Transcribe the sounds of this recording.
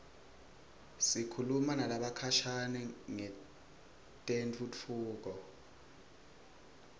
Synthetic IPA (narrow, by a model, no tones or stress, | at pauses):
sikʰulumanalaɓakʰaʃʰanɛŋɛ | tʼent͡fʰʼut͡fʰuːk̬ɔ